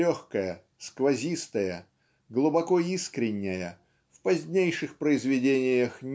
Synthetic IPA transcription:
oxkəjə | skvɐzʲist̪əjə | ɡlˠʊbɐkoiskɾʲɪnʲːɪjə | fpɐzʲnʲejʂɨxpɾəɪzvʲɪdʲenʲɪjəxnʲ

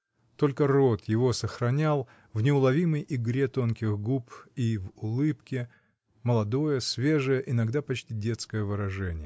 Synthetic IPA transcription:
t̪o̞lʲkəro̞t̪jɪvo̞səxɾɐnʲalˠ | vnʲɪʊlˠɐvʲiməjʔɪɡɾʲe̞t̪o̞nkʲɪɣɡupivʊlˠɨpkʲɪ | məlˠɐd̪o̞jəsvʲe̞ʐɨjəʔɪnɐɡd̪apɐt͡ɕtʲidʲe̞t̪skəjəvɨɾɐʐɛnʲɪjə

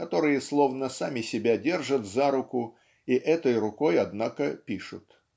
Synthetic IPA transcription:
kɐt̪o̞ɾɨjəslˠo̞vnəsamʲɪsʲɪbʲadʲe̞rʐət̪zaɾʊkʊ | iʔɛt̪əjrʊko̞jɐd̪nakəpʲiʂʊ̰t̪

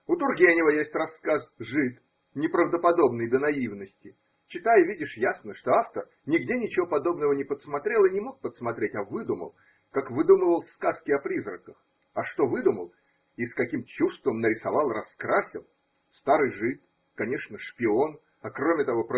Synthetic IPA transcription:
ʊt̪ʊrɡʲenʲɪvəjesʲtʲrɐsːkasʐɨt̪ | nʲɪpɾəvd̪əpɐd̪o̞bnɨjd̪ənɐivnəsʲtʲɪ | t͡ɕɪt̪ajɪvʲidʲɪʂjasnəʂt̪o̞aft̪ər | nʲɪɡdʲenʲɪt͡ɕɪvo̞pɐd̪o̞bnəvənʲɪpət̪smɐt̪ɾʲe̞lˠɨnʲɪmo̞k̚pət̪smɐt̪ɾʲetʲɐvɨd̪umə̰lˠ | kakvɨd̪uməvəlˠskaskʲɪɐpɾʲizrəkəx | ɐʂt̪o̞vɨd̪uməlˠ | iskɐkʲimt͡ɕust̪vəmnəɾʲɪsɐvɑlˠrɐskɾasʲɪ̰lˠ | st̪aɾɨjʐɨt̪ | kɐnʲe̞ʂnəʂpʲɪo̞n | ɐkɾomʲɪt̪ɐvo̞p

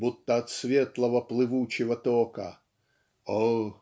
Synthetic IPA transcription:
but̪ːəɐt̪svʲet̪lˠəvəplˠɨvut͡ɕɪvət̪okə̰ | o

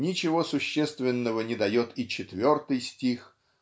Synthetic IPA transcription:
nʲɪt͡ɕɪvo̞sʊɕːest̪vʲɪnːəvənʲɪd̪ɐjot̪it͡ɕɪt̪vʲo̞rt̪ɨjsʲtʲix

